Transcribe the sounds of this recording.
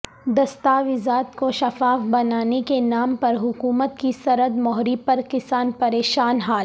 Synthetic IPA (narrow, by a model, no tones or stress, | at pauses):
d̪ɐst̪aːʋɪzaːt̪koʃɐfaːfbɐnaːnekenaːmpɐɾɦʊkuːmət̪̚kisɐɾəd̪mɔɦɾipɐɾkɪsaːnpɐɾeːʃaːnɦaːl